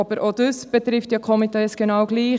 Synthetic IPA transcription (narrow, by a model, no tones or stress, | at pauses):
ɑb̥əɾʔod̥̪øsb̥ɛt̪ɾɪftjɑkʰɔmitɛːsɡ̥enɑwɡliː